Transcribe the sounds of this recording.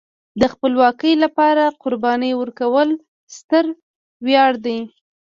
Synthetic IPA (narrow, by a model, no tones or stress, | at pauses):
d̪əxpəlwɑkəjlapɑɾaqʊɾbɑnəjwəɾkawəl | st̪əɾ | wjɑɽd̪aj